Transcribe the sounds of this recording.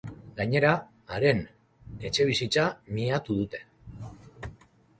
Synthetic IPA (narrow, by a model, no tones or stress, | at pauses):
ɡaɲe̞ɾa | aɾe̞n | e̞t͡se̞β̞isit͡samiat̪uðut̪e̞̥